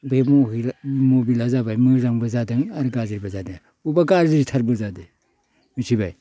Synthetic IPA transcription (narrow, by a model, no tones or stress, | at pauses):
bemoɦimobilazabajmɯzaŋbɯzadɯŋaɾɡaziɾibazadena | ubaɡaɾziɾitʰaɾbɯzade | mitʰibaj